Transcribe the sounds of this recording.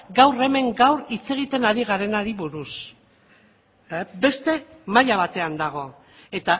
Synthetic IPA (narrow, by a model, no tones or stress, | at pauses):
ɡawre̞me̞ŋɡawɾit͡se̞ɣ̞it̪e̞naɾiɣ̞aɾe̞naɾiβuɾus | be̞st̪e̞maʎaβat̪e̞and̪aɣ̞o̞ | e̞t̪a